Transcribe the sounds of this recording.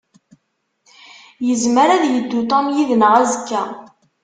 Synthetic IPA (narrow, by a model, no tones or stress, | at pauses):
jəzməɾæðjəd̪ːut̪ɑmjiðnəʁæzəkːæ